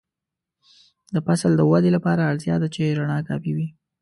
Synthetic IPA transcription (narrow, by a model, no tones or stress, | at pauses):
d̪əfasald̪əwad̪elapɑɾaːɽt̪jɑd̪at͡ʃeɾaɳɑkɑ̰piwi